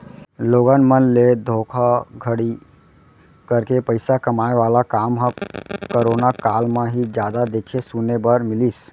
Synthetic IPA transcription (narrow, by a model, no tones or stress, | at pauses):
loːɡənmənled̪ʱoːkʰaɡʱəɽi | kəɾkepəɪsakəmaːeʋaːlakaːmɦə̃kəɾoːnakaːlmẽɦid͡ʒjaːd̪ad̪eːkʰesunebəɾmɪlis